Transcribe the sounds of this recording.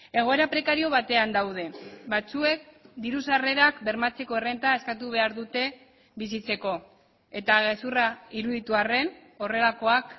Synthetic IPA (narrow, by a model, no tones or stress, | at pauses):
e̞ɣ̞o̞eɾapɾe̞kaɾio̞βat̪e̞and̪awð̞e̞βbat͡sue̞k̚d̪iɾus̬are̞ɾakbe̞ɾmat͡se̞ko̞ere̞nt̪ae̞skat̪uβ̞e̞aɾðut̪e̞ | βisit͡se̞ko̞ | e̞t̪aɣe̞suraiɾuðit̪uare̞n | o̞re̞lako̞ak